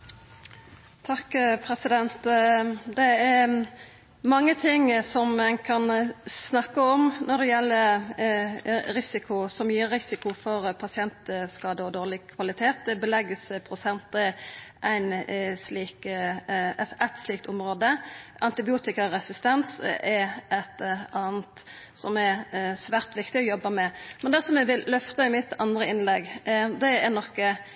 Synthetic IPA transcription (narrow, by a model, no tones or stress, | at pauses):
t̪ʰɑkpʰɾɛsɪd̪ɛnt̪d̪ɛæ | mɑŋːət̪ʰɪŋsɔmmɛnkʰɑnsnɑkːəɔmnɔʁd̪ɛjɛlːə | ɾɪsɪkʰʊsɔmjiːɾːɪsɪkʊfɔʁpʰɑsɪɛnt̪skɑːd̪əɔd̪oːʁlɪkʰʋɑlɪt̪ʰeːt̪bəlɛɡəspʰɾʊsɛnt̪əʔæɪnsliːk | æt̪sliːkt̪ʊmɾoːd̪əʔɑnt̪ɪbɪuːt̪ɪkəɾɛsɪst̪ɛnsɛɾʔɛt̪ɑːnt̪ | sɔmɛsʋæːʁt̪ʋɪkt̪ɪɔjɔbːəmɛmɛnd̪ɛsɔmɛʋɪllœft̪ɑɪmɪt̪ːɑ̰nd̪ɾəɪnlɛɡd̪ɛɛʁnɔkːə